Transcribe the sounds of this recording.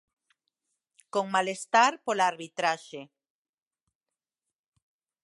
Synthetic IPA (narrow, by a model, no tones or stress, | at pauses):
koŋmalest̪aɾpolaːɾβit̪ɾaʃe